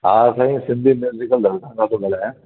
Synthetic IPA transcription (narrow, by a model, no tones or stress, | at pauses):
aːsaːĩsɪ̃nd̪ʱimjuːzɪkəld̪ʱɐɾʈ̪ãŋkat̪õɡɐlɦɛ̃ː